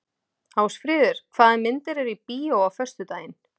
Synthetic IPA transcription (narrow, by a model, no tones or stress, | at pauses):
haːwsfɾɪːðɪɾ̥kʰv̥aːðɪmɪnt̪ɪɾɛɾipiːowawfœ̥st̪ʏt̪aːjɪn